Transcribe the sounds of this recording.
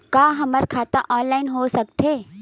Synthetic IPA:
kaːɦɐməɾkʰaːt̪aʔɔːnlaːɪnɦosɐkt̪eː

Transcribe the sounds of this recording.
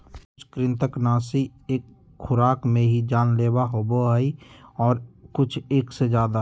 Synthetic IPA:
kkʊt͡ʃʰkɾɪ̃nt̪əknaːsieːk | xʊɾaːkmẽɦid͡ʒaːnleːbaɦoːboɦɛiɔːɾkʊt͡ʃʰeːksed͡ʒjaːd̪a

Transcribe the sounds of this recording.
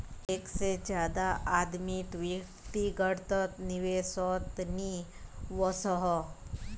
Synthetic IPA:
eːksed͡ʒjaːd̪aʔaːd̪mit̪ʋikt̪iɡəɽt̪ət̪nɪʋeːsɔːt̪niʋɔsəɦɔ

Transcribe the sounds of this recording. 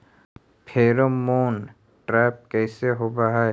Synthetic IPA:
pʰeːɾomoːn | ʈɾɛːp̚kɛːseɦobaɦa

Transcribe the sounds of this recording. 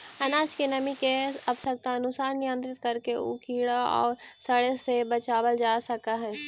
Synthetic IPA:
ɐnaːt͡ʃkenɐmikeɐpsək̚t̪aɐnʊsaːɾnɪjə̃nt̪ɾɪt̪kɐɾkeʊ̰kʰiːɽaɔ̰ːɾsɐɽesebɐt͡ʃaːbəld͡ʒaːsɐkaɦɛː

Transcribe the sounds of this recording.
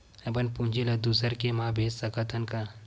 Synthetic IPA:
ɐbɐnpund͡ʒilɐd̪usəɾkemãːbʱeːssɐkɐt̪ʰɐnkɐ

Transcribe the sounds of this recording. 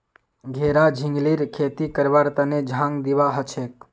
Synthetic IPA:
ɡʱeːɾad͡ʒʱɪ̃ŋɡliɾkʰeːt̪ikəɾʋaːɾt̪əned͡ʒʱãŋɡd̪iʋaɦət͡ʃʰek̚

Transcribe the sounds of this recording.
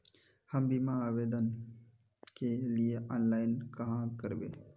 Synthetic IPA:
həmbimaaːʋeːd̪ən | kelieʔɔːnlaːɪnkəɦãkəɾbḛː

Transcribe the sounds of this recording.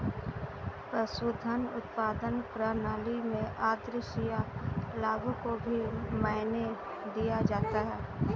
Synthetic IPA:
pəsuːd̪ʱənʊt̪paːd̪ənpɾaːnaːlimẽʔaːd̪ɾɪʃijalaːbõkobʱimaːɪne | d̪ijad͡ʒaːt̪aɦɛː

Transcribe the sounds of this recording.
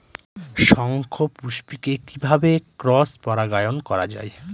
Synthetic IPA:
ʃɔŋkʰopuʃpikekibʱabekɾɔspɔɾaɡajonkɔɾad͡ʑa̰e

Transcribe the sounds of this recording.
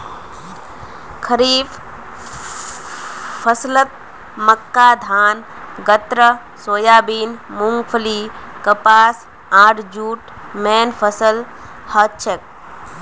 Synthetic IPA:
kʰəɾiːf | fəslət̪̚ | məkːaːd̪ʱaːn | ɡɐt̪ɾə | soːjaːbiːnmuŋɡpʰəliːkəpaːs | aːʈʰd͡ʒuːʈ | meːnpʰəsəl | hɐt͡ʃʰek̚

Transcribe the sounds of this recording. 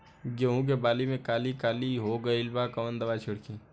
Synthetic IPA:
ɡeɦũk̬ebaːlimẽkaːlikaːliɦoɡəɪlbakɐʋənd̪ɐʋaːt͡ʃʰʊɽkʰi

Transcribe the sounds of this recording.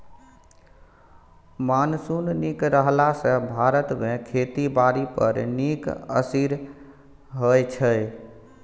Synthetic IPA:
mansunnikɾəɦlasə̃bʱaɾət̪mekʰet̪ibaɾipə̰ɾnikə̰siɾ | ɦəjt͡ʃʰəj

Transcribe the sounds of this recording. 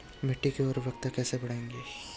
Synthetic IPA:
mɪʈːikeoːɾʋjɐk̚t̪ɐkːɛːsebɐɽẽːŋɡeː

